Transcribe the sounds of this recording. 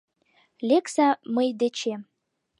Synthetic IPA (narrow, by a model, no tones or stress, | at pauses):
leksɑməjd̪et͡ɕem